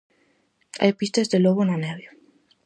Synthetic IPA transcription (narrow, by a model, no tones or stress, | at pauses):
a̰jpist̪ezðeloɣonanɛβjo